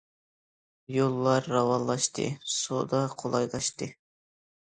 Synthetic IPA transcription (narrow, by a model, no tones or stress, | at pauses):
jolˠːɑɾːɑwɑnlˠɑʃt̪ɨ̰so̰d̪ɑqʰolˠɑjlˠɑʃt̪ɨ